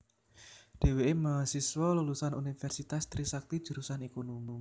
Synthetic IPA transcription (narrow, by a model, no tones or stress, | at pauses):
ɖ̥e̤weeməsiswɔlulusanunifɛrsit̪ast̪ɾisak̚t̪id̥ʒ̥ṳɾusanikunumu